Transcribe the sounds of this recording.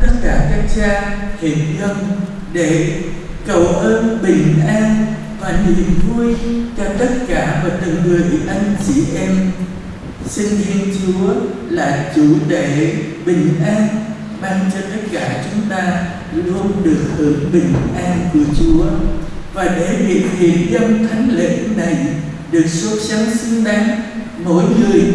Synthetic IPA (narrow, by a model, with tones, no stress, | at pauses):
t̪ə˦˥t̚kaː˧˩kaː˦˥k̚t͡ɕaː˧he˨˩t̚ɣə˧ŋ͡m | ɗe˧˩ | kə˧˩wʔəː˧nɓï˨˩ŋ̟ʔaː˧n | vaː˨˩nḭ˧˨ŋvu˧jt͡ɕɔ˧t̪ə˦˥t̚kaː˧˩vaː˨˩t̪ɨ̰˨˩ŋŋɨ˨˩əjʔa˧jŋ̟t͡ɕḭ˧˩ʔɛ˧m | sï˧ŋ̟ti˧ənt͡ɕu˨˦əlaː˨˩t͡ɕu˧˩˦ɗ̪e˧˩ɓï˨˩ŋ̟ʔaː˧n | ɓaː˧nt͡ɕɔ˧t̪ə˦˥t̚kaː˧˩t͡ɕʊ˨˦ŋ͡mt̪aː˧ | lo˨˧˦ɗɨ˨˩ək̚həː˧˩nɓï˨˩ŋ̟ʔaː˧nku˧˩ət͡ɕu˨˦əvaː˨˩ɗe˧˩ɓḭ˧˨hi˨˩ənɗə˧wŋ͡mt̪ʰa˨˦jŋ̟lḛ˧˨˥na˨˩j | ɗɨ˨˩ək̚swə˦˥t̚sa˨˦nsɨ˧ŋɗa˨˦ŋ | mo̰˧˥˨jŋɨ˨˩əj